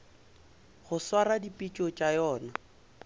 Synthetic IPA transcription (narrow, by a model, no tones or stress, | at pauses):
ɣʊswaɾadipʼit͡ʃʼɔt͡ʃʼajɔːna